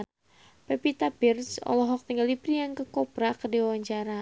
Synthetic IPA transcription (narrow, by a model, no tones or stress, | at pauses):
pɛpit̪apirsɔ̰lɔɦɔk̚t̪əŋɡaldipɾijaŋkəkɔpɾakədiwawaɲt͡ʃaɾa